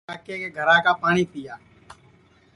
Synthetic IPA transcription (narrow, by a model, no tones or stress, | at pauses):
aːkekeɡʱəɾãːkaːpaːɽ̃iːpɪjaː